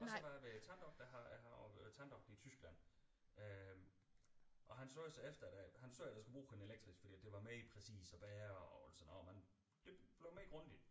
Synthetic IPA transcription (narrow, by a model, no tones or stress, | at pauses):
ʔɒsɒʋɑ̈jæʋet͡sʰænd̥ɒ̽ɡ̥̚d̥æɦɑhɑɒt͡sʰænd̥ɒ̽ɡ̥d̥it͡sʰysɡ̥læn̰ø | ʔɒ̽ɦænso̰ːsɒefd̥ɐæd̥æhænsoːæd̥jasɡ̥ub̥ʁṵːhene̝leɡ̥̚d̥ʁisfɒd̥ḭːæd̥e̝ʋɑ̈meipʰʁɛsḭːsɒb̥ɛːɐɒɒlsɒnɒmæn | d̥e̝̥b̥le̝ʊmeɡ̥ʁɔ̽nd̥id̥